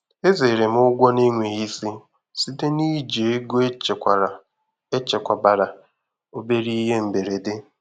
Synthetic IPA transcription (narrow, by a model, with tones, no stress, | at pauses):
e˦ze˨ɾe˨m˦ʊ˦ɡʷɔ˦ni˦ŋʷe˨i˦si˦ | si˦te˦ni˦d͡ʒe˨e˦ɡo˦e˦t͡ʃkʷa˨ɾa˨ | e˦t͡ʃe˨kʷa˨ba˨ɾa˨ | o˨be˦ɾi˦ɦe˦m̩˨be˨ɾe˨dɪ˦